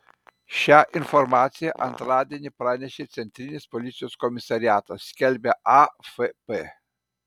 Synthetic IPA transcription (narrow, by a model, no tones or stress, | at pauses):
ʃaʔinformat̪sijeʔant̪ɾad̪ʲenʲepɾanʲeʃet̪sʲent̪ɾinʲespolʲit̪sʲijoskomisaɾiat̪əskʲelʲbʲaʔafepe